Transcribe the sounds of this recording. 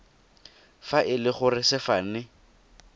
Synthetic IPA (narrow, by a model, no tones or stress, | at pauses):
faʔɪlɪχʊrɪsɪfanɪ